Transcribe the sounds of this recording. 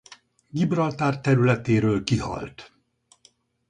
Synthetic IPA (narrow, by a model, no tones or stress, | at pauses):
ɡibrɒlt̪aːrt̪ɛɾylɛt̪eːɾøːlkihɒ̰lt̪